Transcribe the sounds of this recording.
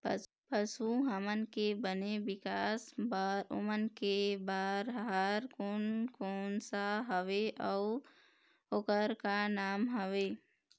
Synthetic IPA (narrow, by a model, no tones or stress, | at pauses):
pəsuɦəmənkebənebɪkaːsbaːɾʊ̰mənkebaːɾɦaɾkoːnkoːnsaɦəʋeʔɔʊ | okəɾkanaːmɦəʋeː